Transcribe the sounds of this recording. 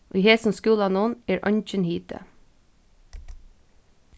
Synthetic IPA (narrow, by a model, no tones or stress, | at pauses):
ʔoiːheːsn̩skʉːlɑːnoːneːɹʔɑ̰ɲc͡çənhiːt̪ə̰